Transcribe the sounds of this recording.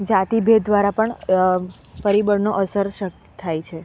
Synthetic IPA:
d͡ʒat̪ibʱed̪d̪ʋaɾapəɳ | pəɾibəɾnoʔəsəɾʃə | t̪ʰajt͡ʃʰe

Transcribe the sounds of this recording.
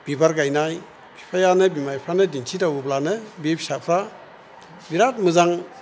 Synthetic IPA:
b̥ibaɾɡajnaj | bʰi̥pʰajanɯbimajpʰɾanɯdinsʰitawɯblanɯbepsapʰɾa | biɾat̚mɯzaŋ

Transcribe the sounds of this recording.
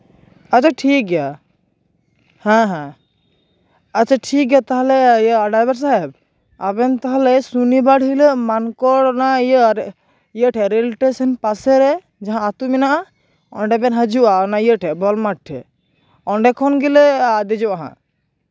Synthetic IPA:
at͡ʃʰaʈʰik̚ɡɛja | hɛ̃ɦɛ̃ | t͡ʃʰaʈʰik̚ɡɛjat̪aɦalɛjəaɖajbɛɾs̬aɛb̚ | a̰bɛnt̪aɦalɛsunibaɽɦiləmankɔɽnaəɾ | ijəʈʰɛɾɛlʈesənpasɛɾɛ | d͡ʒaɦãat̪uminaʔa | ɔ̰nɖɛbɛnɦəd͡ʒuʔaɔnaiəʈʰɛbɔlmaʈʰːɛ̰ | ɔɳɖɛkʰɔnɡilead̪ɛd͡ʒɔʔaɦã̰

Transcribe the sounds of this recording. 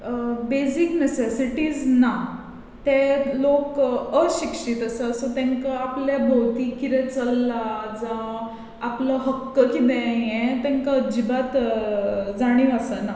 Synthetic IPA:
besiknesesiʈiːd͡zna | t̪elokəɕikʂiːt̪əsəsɔt̪ɛ̃ŋkaapljabʱəwt̪iːkiɾɛt͡səlːad͡zã | apləɦəkːəkid̪ɛajẽt̪ɛ̃ŋkaəd͡ʑibat̪ | d͡zaɽ̃iəsəna

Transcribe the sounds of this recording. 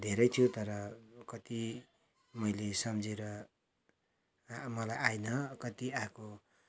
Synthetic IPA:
d̪ʱeɾʌjt̪ʰijot̪ʌɾʌkʌt̪i | mʌjlesʌmd͡zeɾʌ | mʌlajajnʌkʌt̪iako

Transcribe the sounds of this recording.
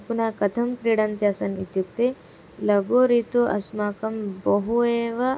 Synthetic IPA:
punaːkɐt̪ʰɐmkɾiːɽɐnt̪jaːsɐnit̪juk̚t̪e | lɐɡoːɾit̪uʔɐ̰smaːkɐmbɐɦueːʋɐ

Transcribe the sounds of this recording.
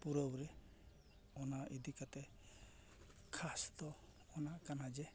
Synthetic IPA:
puɾɔbɾɛ | ɔnaʔid̪ikat̪ɛ | kʰasd̪ɔː | nakanad͡ʒɛ

